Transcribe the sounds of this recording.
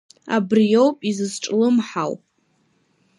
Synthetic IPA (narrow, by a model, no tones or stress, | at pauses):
a̰brijo̞wpʼizɨzʈ͡ʂʼlɨmħawpʼ